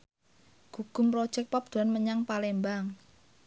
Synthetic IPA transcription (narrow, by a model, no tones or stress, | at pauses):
ɡ̥ṳɡ̥ʊ̤mpɾod̥ʒ̥ɛk̚pap̚d̪̥ṳɾanməɲaŋpalɛmbaŋ